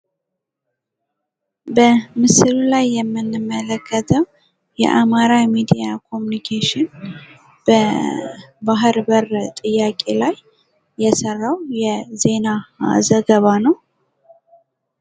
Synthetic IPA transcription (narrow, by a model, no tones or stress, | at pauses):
bəmɨsɨlulajːɛmːɨnːɨmːələkʰːət̪ʰəw | jɛ̰ʔamaɾamid̪ijakʰo̞munikʰeʃɪn | b̥ə | baɦɨɾbəɾt̪ʼɨjːakʼe̞lajː | ɛsərːawjɛze̞nazəɡəβanəw